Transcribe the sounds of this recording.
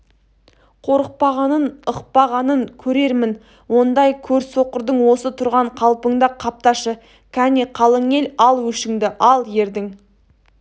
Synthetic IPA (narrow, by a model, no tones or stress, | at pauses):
qʰo̞ɾəq̚pɑʁɑnənəqpɑʁɑnəŋkʲʰɵɾe̞ɾmɪn | wo̞nd̪ɑjkʲʰɵɾsoqəɾd̪əɴwo̞sət̪ʰʊɾʁɑɴqʰɑlˠpəɴd̪ɑqʰɑp̚t̪ɑʃə | kʲʰæniqʰɑlˠəŋe̞lɑlˠwɵʃɪŋd̪ɪʔɑlˠje̞ɾd̪ɪŋ